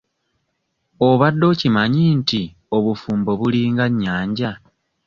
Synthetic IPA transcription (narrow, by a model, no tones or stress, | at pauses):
o̞βadːo̞ːcimaɲinti | o̞βufuːmbo̞βuliːŋɡaɲːaːɲɟa